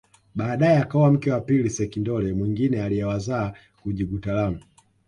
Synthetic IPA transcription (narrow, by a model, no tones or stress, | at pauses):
ɓaːɗajɛakaɔwam̩kɛwapilisɛkindɔlɛmwiŋɡinɛalijɛwazaː | kuʄiɓutalamu